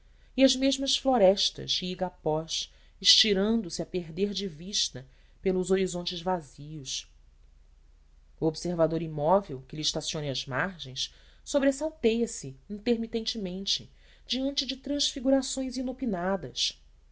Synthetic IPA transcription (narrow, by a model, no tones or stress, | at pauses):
iɐzmeʒmɐsfloɾɛʃt̪ɐ̰ʃiiɡapɔʃ | ɪʃt͡ʃiɾɐ̃nd̪ʊsiɐpeɦd̪eɾd͡ʒɪviʃt̪ɐ | pelʊzoɾizõnt͡ʃɪzvaziʊʃ | uobseɾvad̪oɾimɔvewkɪliʃt̪asiõnɐɐzmaɾʒẽj̃s | sobɾesawt̪ejɐsɪĩt̪eɾmit̪ẽnt͡ʃɪmẽnt͡ʃɪ | d͡ʒiɐ̃nt͡ʃɪd͡ʒɪt̪ɾɐ̃ʃfiɡuɾasõj̃zinopinad̪ɐs